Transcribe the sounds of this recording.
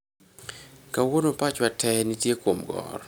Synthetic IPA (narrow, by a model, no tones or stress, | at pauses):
kawonopat͡ʃwatʰɛnitjekwomɡɔ̰r